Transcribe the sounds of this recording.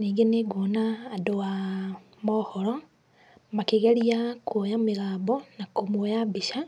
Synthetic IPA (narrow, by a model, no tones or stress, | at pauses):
niːɡeneɡonaːdowa | mɔhɔɾɔ | makeɣeɾiakwojameɣaːbɔnakomwojabiʃa